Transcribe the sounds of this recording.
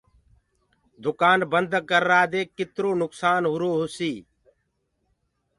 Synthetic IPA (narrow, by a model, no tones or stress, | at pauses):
d̪ʊkaːnbənd̪ʱkəɾːaːd̪eːkːɪt̪ɾoːnʊksaːnɦʊɾoːɦʊsiː